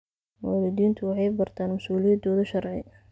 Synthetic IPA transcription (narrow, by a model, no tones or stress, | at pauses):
mɔːlɪd̪iːnt̪ʰʊwɑħɑjbɐrt̪ʰaːnmɐsuːlɪjɐd̪ɔːðʊʃɐrʕɪ